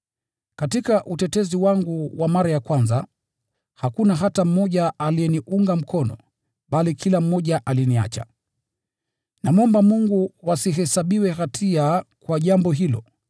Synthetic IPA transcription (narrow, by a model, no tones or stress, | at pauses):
katikaʔutɛtɛziwaŋɡuwamaɾajakwanza | hakunaɦatam̩mɔʄaaliɛniʔuŋɡam̩kʰɔnɔ̰ | ɓalikʰilam̩mɔʄaʔalinia̰t͡ʃa̰ | namɔmbamuŋɡuwasiɦɛsaɓiwɛhatʰiakwaʄambɔɦilɔ̰